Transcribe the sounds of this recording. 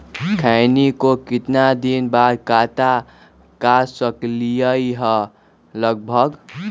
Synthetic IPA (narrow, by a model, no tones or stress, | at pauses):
kʰajnikokit̪nad̪inbad̪kat̪a | kasʌklijəjɦʌ | lʌɡ̚bʱʌɡ